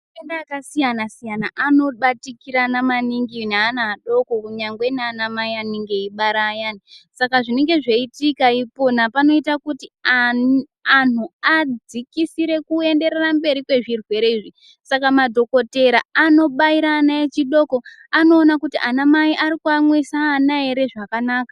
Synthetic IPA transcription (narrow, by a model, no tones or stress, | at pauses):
endaakasijanasijanaʔano̞ɓatikiɾanamaniŋɡineanaːɗo̞ko̞kuɲaŋɡwe̞neanamaianeŋɡe̞iɓaɾaːjanisakaʐine̞ŋɡe̞ʐe̞itikaipo̞napano̞itakuti | anuad͡zikisiɾe̞kue̞nde̞ɾerambe̞ɾikwe̞ʐirwe̞ɾeiːʐi | sakamadʱo̞ko̞te̞ɾaano̞ɓaiɾaːnaet͡ʃiɗo̞ko̞ | ano̞ːnakutiʔanamaiʔaɾikuamwisaːnae̞ɾe̞ʐakanaːka